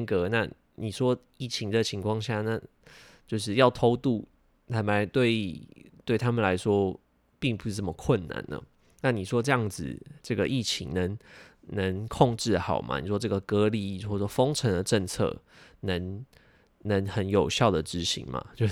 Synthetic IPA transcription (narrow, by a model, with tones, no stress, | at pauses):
ŋkə˧˦na˥˩ | ni˨˩ʂwɔ˦˥ | i˥˩t͡ɕʰi˧˥ŋd̪ə˨t͡ɕʰi˧˥ŋkʰwɑ˥˧ŋɕja˥˨na˥˧ | t͡ɕjo˥˧ʊʂ̬ɻ̩˥˧jɑ˥˩ʊt̪ʰo˥ʊt̪u˥˩ | nʰa˧˥ma˧˥t̪we˥˩ɪt̪we˥˩ɪt̪ʰa˥mə˨nla˧˥ɪʂwɔ˦˥ | pi˥˩ŋp̬u˨˥ʂɻ̩˥˩ʈ͡ʂə˥˩mə˩kʰwə˥˨˩nːa̰˨˦nə̰˩ | na˥˩ni˨˩ʂwɔ˦˥ʈ͡ʂɤ˥˧jɑ˥˩ŋd͡zɹ̩˨˩ʈ͡ʂɤ˥˩ɡə˨ʔi˥˩t͡ɕʰḭ˧˥ŋnə˧˦ŋnə˧˦ŋkʰɔ˥˧ŋʈ͡ʂɻ̩˥˩xɑ˨˩ʊmʔa̰˦nḭ˨˩ʂwɔ˥ʈ͡ʂɤ˥˩ɡə˨˩kɤ˧˥li˧˥˨wɔ˥˩wɔ˥fo˥ŋʈ͡ʂʰə˧˥ŋd̪ə˨ʈ͡ʂə˥˧ŋt͡sʰɤ̰˥˩ | nə˧˥ŋ | nə˧˥ŋxə˧˥njo˨˩ʊɕjɑ˥˩ʊd̪ə˩ʈ͡ʂɻ̩˧˥ɕḭ˧˥ŋma̰˨t͡ɕjo˥˧ʊ